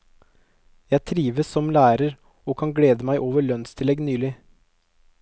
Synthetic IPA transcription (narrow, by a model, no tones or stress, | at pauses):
jæɪt̪ʰɾiːʋəsɔmlæːɾəɾ | oːkʰɑŋɡleːd̪əmæɪʔoːʋəɭœnst̪ʰɪlɛɡnyːlɪ